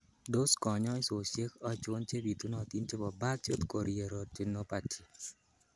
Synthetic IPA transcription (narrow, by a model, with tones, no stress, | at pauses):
do˦skɔ˨ɲɔ˦i˦so˨se˦kɔ˦t͡ʃo˦nt͡ʃe˦bi˨t̪u˦nɔ˦˨t̪i˦nt͡ʃe˦bɔ˨ba˦t͡ʃo˦t̪ko˨ɾʔi˨e˨ɾo˨t͡ʃɪ˦no˦pa˨t͡ʃi˨